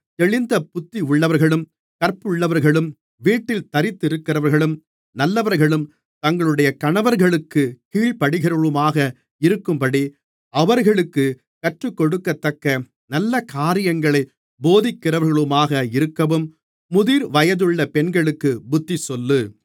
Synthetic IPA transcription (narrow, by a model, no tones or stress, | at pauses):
t̪ɛɭɪnd̪ɐpʊt̪ːiʊɭːɐʋɐɾɣɐɭɯm | kɐɾpɯɭːɐʋɐɾɣɐɭɯm | ʋiːʈːɪlt̪ɐɾɪt̪ːɪɾɯkːɪrɐʋɐɾɣɐɭɯm | nɐlːɐʋɐɾɣɐɭɯm | t̪ɐŋɡɐɭɯɽɐjɐkɐɳɐʋɐɾɣɐɭɯkːɯkiːɭpɐɽɯɣɪɾɐʋɯmaːɣɐ | ɪɾɯkːɯmpɐɽi | ɐʋɐɾɣɐɭɯkːɯ | kɐʈrɯkːɔɽɯkːɐt̪ːɐkːɐ | nɐlːɐkaːɾɪjɐŋɡɐɭɐɪ | boːðɪkːɪrɐʋɐɾɣɐɭɯmaːɣɐɪɾɯkːɐʋɯmː | ʊðiːɾʋɐjɐðɯɭːɐpɛnɡɐɭɯkːɯbʊt̪ːisɔlːɯ